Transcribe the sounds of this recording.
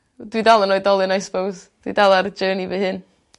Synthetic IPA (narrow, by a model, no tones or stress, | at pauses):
dwidalˠənɔɨdɔlˠɨnajsbowzd̥wḭdalˠaɾəd͡ʒəːnivɨhɨn